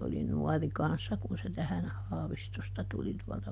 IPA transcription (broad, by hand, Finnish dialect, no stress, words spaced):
oli nuɔri kɑnsːɑ kun se tæhæn hɑːʋistostɑ tuli tuɔltɑ